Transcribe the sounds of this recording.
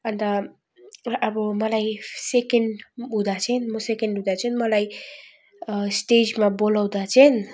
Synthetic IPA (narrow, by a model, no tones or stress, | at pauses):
ʌnt̪aː | bʌmʌlajsekeɳɖud̪at͡sʰʌnmosekeɳɖɦud̪at͡sʰʌnmʌlaj | sʈed͡ʒmabolawd̪at͡sʰʌn